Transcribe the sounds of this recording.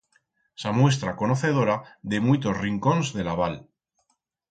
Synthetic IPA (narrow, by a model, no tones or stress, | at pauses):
samwe̞s̬t̪ɾako̞noθe̞ð̞o̞ɾaðe̞mujt̪o̞sriŋko̞nzðe̞laβ̞al